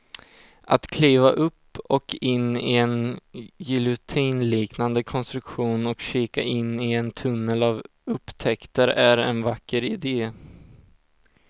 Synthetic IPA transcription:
ʔat̪kʰliːvaʔɵpːɔkɪnːɪɛnjɪlʊt̪ʰiːnliːknand̪əkʰɔnst̪ɾɵkɧuːnɔkɕiːkaʔɪnːɪɛnt̪ʰɵnːəlav | ɵpːt̪ʰɛkt̪əɾæɾɛ̰nvakːəɾɪd̪eː

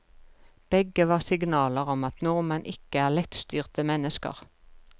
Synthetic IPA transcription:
b̥ɛɡəʋɑːʁsɪɡnɑːləʁɔmɑt̪nɔʁmɛnʔɪkəæːʁlɛt̪st̪yːʁt̪əmɛnəskə̰ʁ

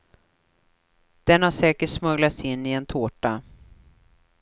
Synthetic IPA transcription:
d̪̥ɛnhaʂɛːkəʈʂmɵɡlat̪sɪnːɪɛnt̪ʰoːʈa

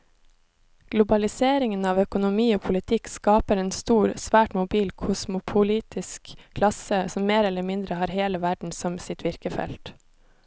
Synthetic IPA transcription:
ɡ̥lʊbɑlɪseːɾɪŋənɑːʋœkʊnʊmiːoːpʰʊlɪt̪ʰɪkskɑːpəɾeːnst̪uːɾsʋæːʈmʊbiːlkʰʊsmʊpʰʊliːt̪ʰɪskʰːlɑsəsɔmmeːɾɛlːəɾmɪnd̪ɾəhɑːɾheːləʋæɖɳ̩sɔmsɪt̪ʰʋɪɾkəfɛ̰lt̪

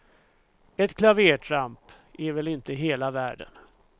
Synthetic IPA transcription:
ɛt̪kʰlaveːʈʰɾamp | ɛɾvɛlɪnt̪əɦeːlavæ̰ːɖə̰n

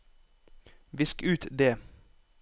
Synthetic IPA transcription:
ʋɪskʉːt̪d̪eː

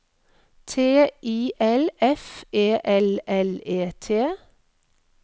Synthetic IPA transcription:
t̪ʰeːʔiːʔɛlɛfeːʔɛlɛleːt̪ʰeː

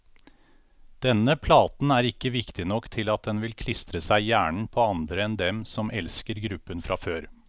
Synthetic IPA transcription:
d̪̥ɛnəpʰlɑːt̪n̩æːɾɪkːəʋɪkt̪ɪnɔkːt̪ʰɪlɑt̪̚d̪ɛnʋɪlkʰlɪst̪ɾəsæɪjæːɳɳ̩pʰoːɑnd̪ɾəɛnd̪ɛmsɔmʔɛlskəɾɡɾʉpːənfɾʔɑføːɾ

